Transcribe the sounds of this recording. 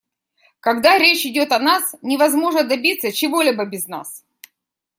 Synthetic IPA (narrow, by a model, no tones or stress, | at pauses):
kɐɡd̪aɾʲet͡ɕɪdʲo̞t̪ɐnasnʲɪvɐzmo̞ʐnəd̪ɐbʲit̪sːət͡ɕɪvo̞lʲibəbʲɪzna̰s